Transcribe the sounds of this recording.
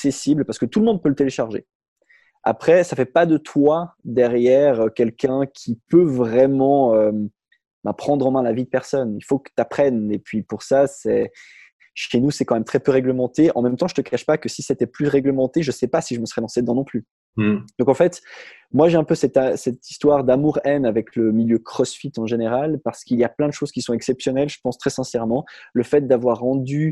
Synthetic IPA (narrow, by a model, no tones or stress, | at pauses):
ksesiblpaʁsə̥kət̪uləmɔ̃d̪̚pølət̪eleʃaʁʒḛ | a̰pχɛsafɛpad̪ət̪ʰwad̪ɛʁjɛʁøkʲɛlkʲɛ̃kʲʰipøvʁɛmɑ̃øm | bɛ̃pχɑ̃d̪ʁɑ̃mɛ̃lavid̪əpɛʁsɔnilfokə̥t̪apχɛnepɥipuʁsasɛ | ʃenusɛkɑ̃mɛmt̪χɛpøʁɛɡləmɑ̃t̪eɑ̰̃mɛmt̪ɑ̃ʒət̪əkaʃpakəsiset̪ɛplyʁɛɡləmɑ̃t̪eʒəsɛpasiʒəməsəʁɛd̪ɑ̃sed̪ɑ̃nɔ̃ply | d̪̥ɔ̃kɑ̃fɛt̪ | mwaʒeɛ̃pøsɛt̪asɛt̪ist̪waʁd̪amuʁɛnavɛkləmiljøkχɔsfit̪ɑ̃ʒeneʁalpaʁsə̥kiljaplɛ̃d̪əʃoz̥kʲisɔ̃ɛksɛpsjɔnɛlʒəpɑ̃st̪χɛsɛ̃sɛʁmɑ̃ləfɛt̪̚d̪avwaʁːɑ̃d̪y